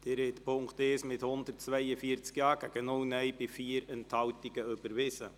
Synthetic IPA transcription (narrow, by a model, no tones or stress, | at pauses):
d̥ɪɾɛt̪pʰʊŋkt̪eːsmɪthʊnd̪ərt̚t͡sʋɛjəfiəɾt͡skjɑːɡ̥æɡ̥ənʊwnɛjbɪfiːəɾɛnthɑwtiɡ̥əʏbəɾʋɪsə